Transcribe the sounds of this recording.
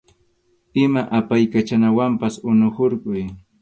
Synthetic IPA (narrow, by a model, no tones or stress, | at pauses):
ɪmaʔapajkat͡ʃanawampasʊnohoɾɢʊj